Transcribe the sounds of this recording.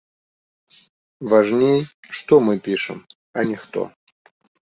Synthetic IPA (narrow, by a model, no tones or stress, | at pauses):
vɐʐnʲejəʂt̪omɨpʲiʂɨ̰m | ɐnʲɪxt̪o̰